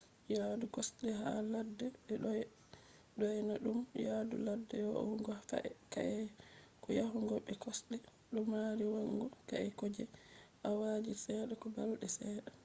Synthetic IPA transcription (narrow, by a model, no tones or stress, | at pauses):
jadukɔsɗɛɦaladːɛɓɛɗ | ɗɔjnaɗumjadṵladːɛjɔʔŋɡɔfa̰ʔɛkaʔɛkɔjahuŋɡɔɓɛkɔsɗɛ | ɗumːaɾiwaŋɡɔkaʔɛkod͡ʒɛʔawad͡ʒisɛːɗɛkɔbalɗɛsɛːɗa